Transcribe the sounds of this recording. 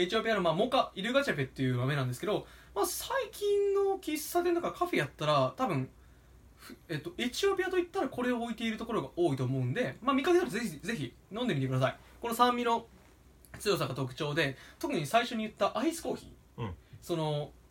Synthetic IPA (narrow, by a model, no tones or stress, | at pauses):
et͡ɕio̞pʲijano̞maːmo̞ːkaiɾɯ̟ɡat͡ɕape̞t̪ːe̞jɯ̟mame̞nãnd̪e̞sɨ̥ke̞d̪o̞masaikʲĩnːo̞kʲisːad̪e̞nt̪akakʰaɸe̞jat̪ːaɾat̪abɯ̟̃ɴ̃ | ɸɯe̞t̪ːo̞ʔet͡ɕio̞pʲijat̪oit̪ːaɾako̞ɾe̞oːit̪e̞iɾɯ̟t̪o̞ko̞ɾo̞ɡaʔo̞ːit̪o̞ːmo̞ɯ̟̃nd̪e̞maːmʲikːak̪etze̞çize̞çi | nõ̞nd̪emʲit̪ekɯ̟d̪asai | ko̞no̞sãmːʲino̞ | t͡sɨjo̞s̬akːat̪o̞k̬ɯ̟̥t͡ɕo̞ːd̪e̞t̪o̞kɯ̟ɲ̟isaiɕo̞ɲ̟ijɯ̟t̪ːaʔaisɨ̥ko̞ːçḭː | so̞no̞